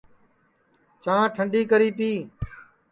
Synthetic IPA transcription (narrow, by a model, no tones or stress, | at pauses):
t͡ʃãːʈʰəɳɖiːkəɾiːpiː